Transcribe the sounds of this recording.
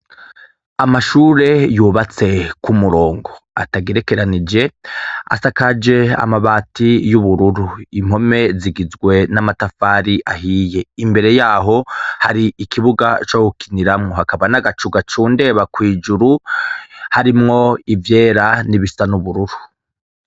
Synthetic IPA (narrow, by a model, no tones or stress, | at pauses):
amaʃuːɾe̞juːβat͡se̞kumuɾo̞ːŋɡo̞a̰taɡiɾe̞ke̞ɾanid͡ʒe̞a̰sakad͡ʒe̞a̰maβaːtijuβuɾuɾuim̥ho̞me̞ziɡizɡwe̞namatafaːɾiʔahiːje̞imbe̞ɾe̞jaːɦo̞ha̰ɾiikiβuɡat͡ʃohukiniɾamŋohakaβanaɡat͡ʃuɡat͡ʃuːnde̞ːβakwiːd͡ʒuɾu | haɾimŋo̞ivjeːɾaniβisanuβuɾuɾu